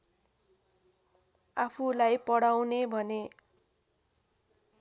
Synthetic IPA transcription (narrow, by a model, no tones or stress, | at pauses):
apʰulajpʌɽawnebʱʌne